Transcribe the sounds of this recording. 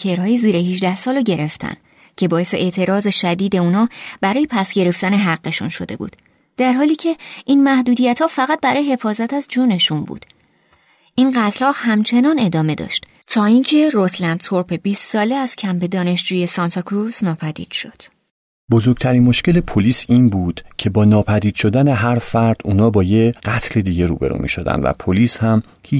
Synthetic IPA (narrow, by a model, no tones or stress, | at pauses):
cʰeɾhɒːjiziːɾehiʒd̪æhsɒːlɟe̞ɾe̞ft̪ʰæ̰n | cʰe̞bɒːe̞se̞ʔeʔt̪ʰe̞ɾɒːze̞ʃæd̪iːd̪e̞uːnɒːb̥æɾɒːje̞pʰæsɟe̞ɾe̞ft̪æne̞ɦæɢːe̞ʃṵnʃo̞̰d̪e̞̰bṵːd̪̥ | d̪̥æɾɦɒːliːcʰe̞ʔinmæhd̪uːd̪ijæt̪hɒːfæɣæt̪̚bæɾɒːjeɦe̞fɒːzæt̪æzd͡ʒuːne̞ʃunbṵːd̪̥ | ʔinɢæt̪ʰlɒːhhæmt͡ʃʰe̞nɒːne̞d̪ɒːme̞d̪ɒ̰ːʃt̪ | t̪ʰɒːiːncʰe̞ɾoslænd̪̚t̪ʰoɾpe̞biːstːɒːleæz̥cʰæmbe̞d̪ɒːne̞ʃd͡ʒuːje̞sɒnt̪ʰɒkʰɾuznɒːpʰæd̪ḭːd̪̥ʃo̞d̪̥ | bozo̞ɾɡ̚t̪ʰæɾiːnmo̞ʃce̞lepʰoliːsiːnbuːd̪̥cʰe̞bɒːnɒːpʰæd̪iːd̪̥ʃo̞d̪æne̞ɦæɾfæɾd̪̥uːnɒːbɒːjeɢæt̪ʰle̞d̪iːɟe̞ɾṵːbe̞̰ɾṵmḭːʃo̰d̪æ̰nd̪væ̰pʰoliːshæm | hiː